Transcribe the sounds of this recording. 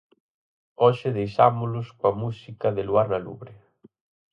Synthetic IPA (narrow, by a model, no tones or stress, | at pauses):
ɔʃɪðejʃa̰mʊlʊskoamusikɐðɪluaɾnalṵβɾɪ